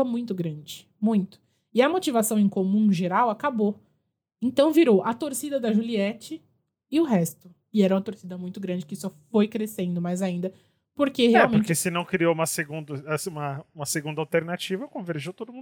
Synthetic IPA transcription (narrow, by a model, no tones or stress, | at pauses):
ɐmũj̃t̪ʊɡɾɐ̃d͡ʒɪ | mũj̃t̪ʊ̥ | ɪɐmot͡ʃivasɐ̃w̃ẽj̃komũʒeɾawakabo | ẽt̪ɐ̃w̃viɾowʔɐt̪oɾsid̪ɐd̪ɐʒuliɛt͡ʃɪː | ʊɦɛst̪ʊ | ɪɛɾɐũmɐt̪oɾsid̪ɐmũj̃t̪ʊɡɾɐ̃nd͡ʒɪkɪsɔfojkɾesẽnd̪ʊmajzaĩnd̪ɐ | poɾkeheawmẽkesɪnɐ̃w̃kɾioũmɐseɡũd̪ɐɐsũmɐũmɐseɡũd̪awt̪eɾnat͡ʃivɐkõveɾʒiwt̪od̪ʊmũ